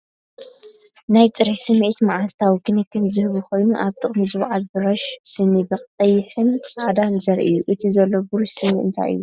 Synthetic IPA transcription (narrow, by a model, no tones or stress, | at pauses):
najt͡sʼɨɾɐsɨmʕit̪maʕalt̪ʰawkɨnɨkʰːɨnzɨhβuko̞jnuʔaβt̪ʰʼɨχʼnizɨwʕalbɨɾɐʃbsɨnːibɐqʼɐjɪħɨnt͡sʼaʕd̪anzɐɾʔɨ̰juʔɨt̪ʰizɐlːobɨɾuʃsɨnːḭʔɨ̰nt̪ʰa̰jɨ̰jːu